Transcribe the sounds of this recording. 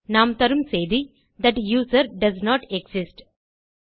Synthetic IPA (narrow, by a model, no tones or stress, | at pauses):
nãːmt̪ɐɾumseːd̪i | d̪æʈjuːzəɾɖɐznɔːʈeɡsɪsʈ